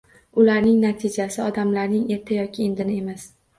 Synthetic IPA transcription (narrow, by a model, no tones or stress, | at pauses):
ʊlaɾnɪŋnat̪ʰɪd͡ʒasɪɒd̪amlaɾnɪŋe̞ɾt̪ʰɪjɒkʲʰɪe̞nd̪ɪnɪe̞mas